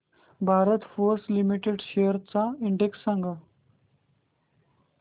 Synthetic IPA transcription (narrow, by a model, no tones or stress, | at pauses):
bʱaɾət̪foɾslimiʈeɖɕejəɾt͡saiɳɖeksːãŋɡa